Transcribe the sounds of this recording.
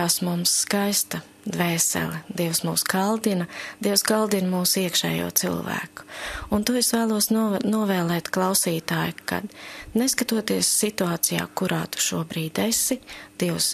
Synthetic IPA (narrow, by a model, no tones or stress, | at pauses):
aːsmumsːkajst̪ɐ | d̪vɛːsɛ̰lˠɛd̪iɛwsmuːsɡalˠd̪inɐd̪̥iɛwsɡalˠd̪inmuːsiɛkʃɛ̰ːjṵɔt̪sḭlˠvæ̰ːku̥unt̪uesvæːlˠuɔsnnuɔvɛːlˠɛːt̪klˠawsiːt̪aːjuka̰d̪neskat̪uɔt̪iɛəsːit̪uaːt̪sija̰ːkuɾaːt̪u̥ʃuɔbɾiːd̪ʲesid̪̥iɛws